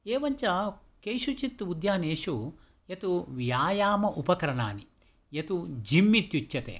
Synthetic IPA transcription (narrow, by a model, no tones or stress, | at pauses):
eːʋɐɲt͡ʃɐ | kejʃut͡ʃit̪ːud̪jaːneːʃu | jɐt̪uʋjaːjaːmɐʔupɐkɐɾɐna̰ːni | jɐt̪ud͡ʒimːit̪jut͡ʃjɐt̪ḛː